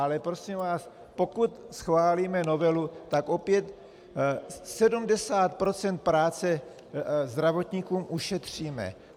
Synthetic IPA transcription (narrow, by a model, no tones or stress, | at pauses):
alɛpɾo̞siːmvaːs | po̞kut̪sxvaːliːmɛno̞vɛlut̪akʔo̞pjɛt̪ | sɛdumdɛsaːt̪̚pɾo̞t͡sɛnt̪̚pɾaːt͡sɛ | zd̪ɾavo̞t̪ɲikuːmʔuʃɛt̪r̝̥iːmɛ̰